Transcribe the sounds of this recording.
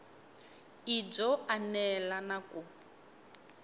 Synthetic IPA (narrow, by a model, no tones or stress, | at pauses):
id͡zɔanɛlanakʼu